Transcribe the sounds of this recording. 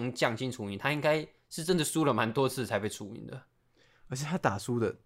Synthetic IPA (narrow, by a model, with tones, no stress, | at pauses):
ŋt͡ɕjɑ˥˩ŋɕi˥nʈ͡ʂʰu˧˥i˨˩nt̪ʰa˥i˥ŋka˥ɪ | ʂɻ̩˥˩ʈ͡ʂə˥nd̪ə˨˩ʂu˥lə˩ma˧˦˥nt̪wɔ˥t͡sʰɹ̩˥˩t͡sʰa˧˥ɪpe˥˩ɪʈ͡ʂʰu˧˥ḭ˧˩nd̪ə˦ | ə˧˥t͡ɕʰɛ˨˩t̪ʰa˥t̪a˨˩ʂu˥d̪ə˨